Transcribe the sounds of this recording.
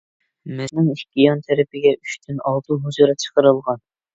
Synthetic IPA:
mɪznɨŋihʲkʲijɑnt̪ʰɛɾɪpʰɪɡʲɛyʃt̪ʰynɑlˠt̪ʰuɦuzuɾɨt͡ʃʰə̥qəɾɨlˠʁɑn

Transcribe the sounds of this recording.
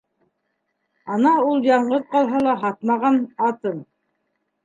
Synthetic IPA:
ɑnɑulˠjɑɴɢɤðqɑlˠɦɑlˠɑɦɑt̪̚mɑʁɑnɑt̪ɤn

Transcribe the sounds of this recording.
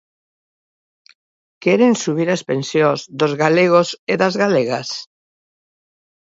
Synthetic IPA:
keɾensuβ̞iɾaspẽnsjõzd̪ozɣaleɣ̞oseðazɣaleɣas

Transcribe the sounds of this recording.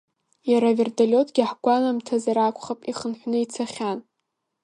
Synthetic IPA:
jaɾaverdalʲo̞tʰɡʲħɡʷanamtʰazaɾakʷʰʼχapʼiχənħʷnɨit͡sʰaχʲan

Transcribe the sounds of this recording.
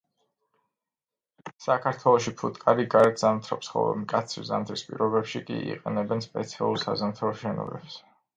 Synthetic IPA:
sakʰaɾt̪ʰwɛlˠɔʃipʰut̪ʼkʼaɾiɡaɾɛt̪ʰz̥amt̪ʰɾɔpsχɔ̰vɛ̰mkʼat̪sʰɾḭzamt̪ʰɾispʼḭɾɔbɛpʃikʼḭḭqʼɛnɛbɛnspʼɛt̪sʰia̰lˠuɾsazamt̪ʰaɔʃɛnɔ̰bɛbs

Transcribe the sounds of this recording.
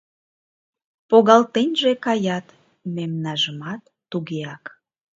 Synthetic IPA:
poɣɑlt̪enʲʒekɑjɑt̪ | memnɑʒəmɑt̪ːuɣeɑk

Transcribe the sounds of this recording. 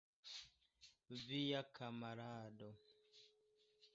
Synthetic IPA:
vijakʰamaɾadɔ

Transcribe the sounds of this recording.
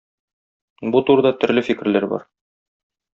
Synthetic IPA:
but̪uɾd̪ɑt̪ɵ̆ɾlɘfikɘ̆ɾlæɾbɒ̰ɾ

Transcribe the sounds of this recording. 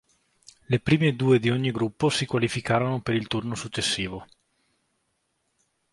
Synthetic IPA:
lepɾiːmed̪uːed̪ioɲːiɡɾupːosikwalifikaːɾonopeɾilt̪urnosut͡ʃːesːiːvo

